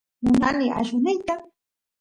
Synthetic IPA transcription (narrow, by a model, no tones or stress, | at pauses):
mʊnanɪa̰ʃʊnɪjt̪a